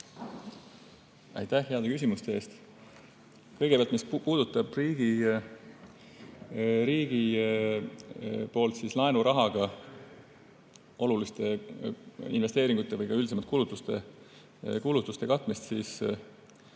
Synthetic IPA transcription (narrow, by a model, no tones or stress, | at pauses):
ɑ̰jt̪æhɦe̞ɑd̪ekys̬ʲimust̪ee̞ːst̪ | kɤjɡepeɑlt̪mispuːd̪̥ut̪ːˑɑb̥riːɡ̥i | ɾiːɡ̥i | po̞ːlt̪sislɑenuɾɑɦɑɡ̥ɑ | o̞lulist̪e̞ | ḭnve̞st̪e̞ːɾiŋɡ̥ut̪ːˑe̞vɤjkɑyld̪isemɑt̪̚ːkulut̪ːˑust̪e̞ | kulut̪ːˑust̪e̞kɑt̪ˑmist̪sis